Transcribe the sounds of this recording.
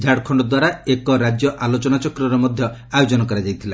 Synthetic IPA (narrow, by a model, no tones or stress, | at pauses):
d͡ʒʱaɽkʰɔɳɖɔd̪waɾaekɔɾad͡ʒjɔʔalot͡ʃɔnat͡ʃɔkɾɔɾɔmɔd̪ʱjɔajod͡ʒɔnɔkɔɾad͡ʒajt̪ʰila